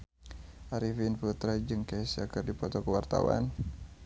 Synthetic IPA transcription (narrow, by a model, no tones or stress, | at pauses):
ʔaɾifinfut̪ɾad͡ʒɨŋkasiakərdipɔt̪ɔkəwart̪a̰wa̰n